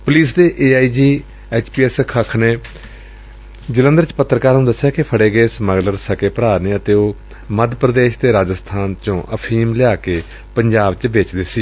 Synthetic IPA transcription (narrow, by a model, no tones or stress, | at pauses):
pʊliːsd̪eːʔeːaːiːd͡ʒiː | ɛːt͡ʃpiːɛːskʰəkʰneː | d͡ʒələ̃nd̪əɾt͡ʃpət̪ːɾəkaːɾũːd̪əsːjaːkɪpʰəɽeːɡəeːsməɡləɾsəkeːpɾaːneːət̪eːoː | məd̪pɾəd̪eːʃt̪eːɾaːd͡ʒəst̪ʰaːnt͡ʃõːʔəpʰiːmlɪjaːkeː | pəɲd͡ʒaːbt͡ʃʋɪt͡ʃd̪eːsiː